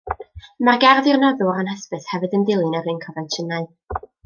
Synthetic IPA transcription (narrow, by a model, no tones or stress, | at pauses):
marɡarðɪrnɔðʊɾanhəspəshɛvɨdəndɪlˠɨnarɨnkʰɔvɛntʰənaɨ